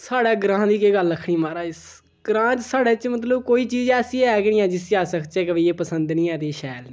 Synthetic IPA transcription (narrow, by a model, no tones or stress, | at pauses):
saːɽɛːɡɾãːd̪iːkeːɡəlːəkʰɳiːmaːɾaːɪs | ɡ̥ɾãːt͡ʃsaːɽɛːt͡ʃmət̪̬ləbkoːiːt͡ʃiːd͡ʒɛːsiːɛːknĩːɛ̃ːd͡ʒɪst͡ʃaːsəkʰt͡ʃɛːkəʋĩːeːpəsə̃nd̪nĩːɛːt̪eːʃɛːlniː